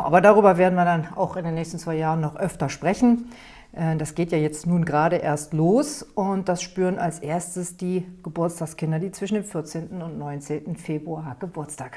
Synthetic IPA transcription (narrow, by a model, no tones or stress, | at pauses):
ʔaːbɐdaːʁ̞yːbɐveːɐdn̩viːɐdana̰ʊxɪndeːnːɛːçstn̩t͡sv̥aɪjaːʁənːɔχʔœftɐʃpʁ̥ɛçn̩ | ʔɛd̥asɡ̥eːtjaːjɛt͡stnuːnɡʁaːɾəʔḛːɐstloːsʊntd̥asʃpyːʁənalsʔeːɐstəsd̥iːɡ̥əbʊɐt͡staːkskɪndɐdiːt͡sv̥ɪʃn̩deːmfɪɐt͡seːntn̩ʊntnɔʏnt͡seːntn̩feːbʁuaːɐɡ̥əbʊɐt͡stʰaːk